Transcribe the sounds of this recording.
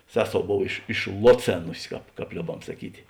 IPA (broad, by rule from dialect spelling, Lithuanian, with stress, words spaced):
ˈsʲæːˌsoːʊ ˈboːw ɪʃ ɪʃˈlˠoːˌt͡sʲeːnʊsʲɪ ˈkɑːp ˈkɑːp ˈlʲoːbɐm sɐˈkʲiːtʲɪ